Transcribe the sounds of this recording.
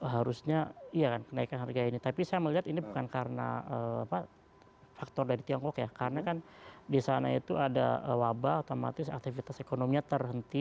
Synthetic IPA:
ɦaɾusɲaijakankənaikanɦarɡainit̪apisajaməliɦat̪inibukankaɾəna̰əːapa | fak̚t̪ɔrdaɾit̪iɔŋkɔkjakaɾənakandisanait̪uada̰əwabaut̪oma̰t̪ɪsa̰k̚t̪ifit̪asekonomiɲat̪ərɦənt̪i

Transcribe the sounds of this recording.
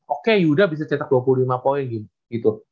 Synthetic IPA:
okejudahbis̬at͡ʃat̪ak̚duap̬ululimapoɪnɡin | ɡ̥it̪u

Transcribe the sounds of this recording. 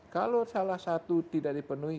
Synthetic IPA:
kalosalahsat̪ut̪idaʔ̚dipənui

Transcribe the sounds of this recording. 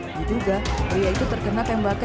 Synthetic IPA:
diduɡapɾijait̪ut̪ərkənakjaŋbaka

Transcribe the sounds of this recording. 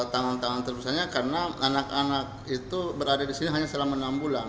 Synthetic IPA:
t̪aŋant̪aŋant̪ərbusaɲakarənaanaka̰nak̚it̪ubəɾadadisiniɦaɲasəlamənambulan

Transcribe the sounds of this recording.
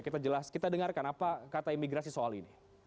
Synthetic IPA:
kit̪ad͡ʒəlaskit̪adəŋarkanapakat̪aimiɡɾasisoalini

